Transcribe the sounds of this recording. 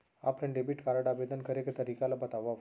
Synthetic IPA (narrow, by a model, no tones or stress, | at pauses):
a̰plə̃ɳɖebiʈkaɾəʈabed̪ənkəɾekt̪əɾikalabət̪aʋːaʋ